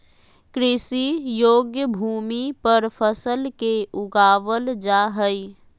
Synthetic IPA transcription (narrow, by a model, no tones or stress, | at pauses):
kɾɪsijoːɡjəbʱuːmipəɾpʰəsəlkeʔʊɡaːʋəld͡ʒaɦəi